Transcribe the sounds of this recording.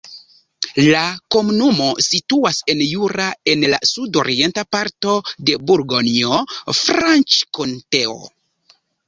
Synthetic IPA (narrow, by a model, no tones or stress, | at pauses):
lako̞munumo̞situase̞njuɾae̞nla̰sudo̞ɾie̞ntapaɾto̞de̞buɾɡoniofɾant͡ʃkonteo̰